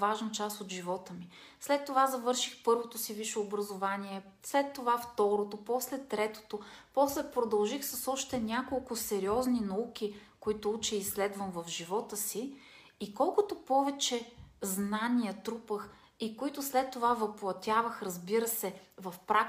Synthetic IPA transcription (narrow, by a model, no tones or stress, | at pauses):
vaʒnət͡ʃast̪od̪ʒivɔt̪əmi | slɛt̪ːovazɐvɤɾʃi̥xpɤɾvot̪osiviʃoːbɾəzovaniɛ | slɛt̪ːovaft̪ɔɾot̪opɔslɛt̪ɾɛt̪o̥t̪opɔslɛpɾod̪ɐlˠʒixsəsɔʃt̪ɛnʲakolˠkʊsɛɾiɔzninɐukʲikoit̪ʊut͡ʃɛislɛd̪vəmvəfʒivɔt̪əsiː | kɔlˠkʊt̪opɔvɛt͡ʃɛznanijət̪ɾupəx | ikoit̪ʊslɛt̪ːovavəplˠɐt̪ʲavəxɾəzbiɾəsɛvɐfpɾak